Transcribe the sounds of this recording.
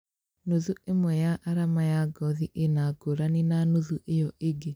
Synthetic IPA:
noðuemwɛjaʔːɾamajaɡɔðiʔenaɡoɾaninanoðuʔejɔʔeɡe

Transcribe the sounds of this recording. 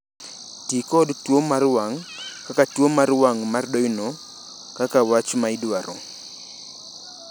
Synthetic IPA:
tikɔdtwomarwaŋkakatwomaɾwaŋmardɔjno | kakawat͡ʃmaidwaɾɔ

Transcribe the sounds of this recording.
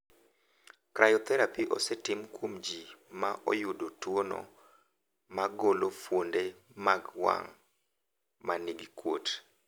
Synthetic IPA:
kɾajɔt̪ɛɾapiʔɔ̰sɛtɪmkwomd͡ʒimaʔɔ̰jʊdotwono̰ | maɡolofwondemaɡwa̰ŋ | maniɡikwo̰t

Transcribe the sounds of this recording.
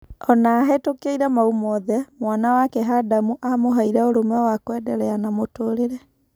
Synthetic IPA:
ɔnaːɦɛtokeiɾamaumɔðɛmwanawakɛɦadamuʔamoɦaiɾɛoɾomɛwakwɛdɛɾɛanamotoːɾeɾɛ

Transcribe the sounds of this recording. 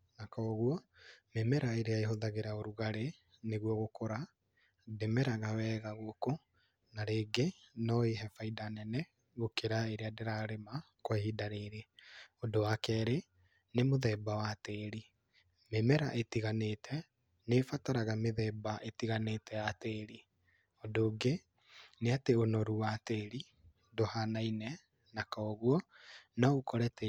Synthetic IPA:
nakɔːɣwɔmemɛɾaeɾeaeɦoðaɣeɾaoɾuɣaɾe | neɣwɔɣokoɾa | demɛɾaɣawɛːɣaɣoko | naɾeːɡenɔeɦɛfaidanɛnɛ | ɣokeɾaeɾeadeɾaɾema | kwɛhidaɾeɾeodowakɛɾe | nemoðɛːbawateɾi | memɛɾaʔetiɣanetʰɛ | nefataɾaɣameðɛːbaʔetiɣanetɛjateɾi | odoːɡe | neateonɔɾuwateɾi | dohanainɛ | nakaoɣwɔnɔukɔɾɛtɛ

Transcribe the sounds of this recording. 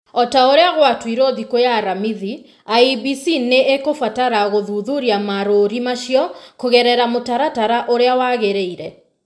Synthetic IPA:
ɔtaoɾeaɣwatwiɾoðikojaɾamiði | aibisineʔekofataɾaɣoðuðuɾiamaɾoɾimaʃiɔkoɣɛɾɛɾamotaɾataɾaʔoɾeawaɣeɾeiɾɛ

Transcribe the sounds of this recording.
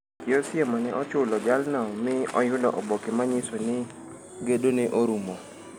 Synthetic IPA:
kɪosjɛmanɛʔɔt͡ʃʊlɔd͡ʒalnɔmɪɔjʊlɔʔɔbɔkɪmaɲɪsɔnɪ | ɡedoneʔoɾumo

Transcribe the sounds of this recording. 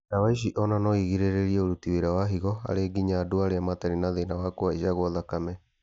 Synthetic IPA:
nawaiʃ̬iʔɔnanɔiɣiɾeɾeɾiɛoɾutiweɾawaɦiɣɔa̰ɾeːɡiɲaːdoaɾeamatɛɾinaðenawakoaiʃaɣwɔðakamɛ

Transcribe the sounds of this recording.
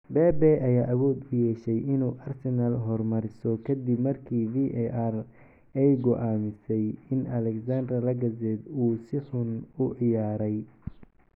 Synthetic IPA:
bɛːbɛʔɐjaːʔɐβɔːd̪ʊjɛːʃɛjɪnuːʔɐrsɛnɐlɦɔrmɐɾɪsɔkʰɐd̪ɪbmɐrkʰiːviʔɛʔar | ɛjɡɔʔaːmɪsɛjɪnɐlɛksand̪ɾɐlɐɡɐzɛd̪uːsɪħʊnʊʕɪjaːɾɛj

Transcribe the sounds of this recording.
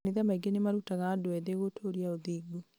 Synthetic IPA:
eðamaiɡenemaɾutaɣaːdoɛðeɣotʰoɾiaoðiːɡu

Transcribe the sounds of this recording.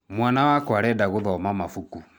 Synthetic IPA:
mwanawakɔaɾɛdaɣoðɔmamafuku

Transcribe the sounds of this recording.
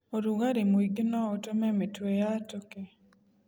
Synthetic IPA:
oɾuɡaɾimiɡnɔotomɛmetwejatoke

